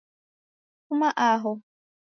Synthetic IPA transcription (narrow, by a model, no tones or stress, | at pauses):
kʊmaʔaɦʊ